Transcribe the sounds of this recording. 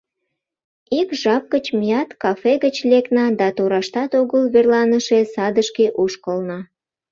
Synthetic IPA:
ikʒɑp̚kət͡ɕmijɑt̪kɑfeɣət͡ɕleknɑd̪ɑt̪oɾɑʃt̪ɑt̪oɣəlβerlɑnəʃesɑd̪əʃkeʔuʃkəlnɑ

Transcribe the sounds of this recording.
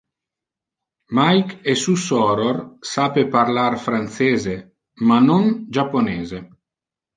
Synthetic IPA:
majkesusɔɾorsaːpeparlarfɾant̪seːze | manond͡ʒapːoneːze

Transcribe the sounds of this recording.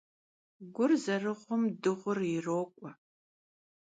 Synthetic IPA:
ɡʷʊrzɐrɨʁʷʊmdɨʁʷʊrɪroːkʷʼɔ

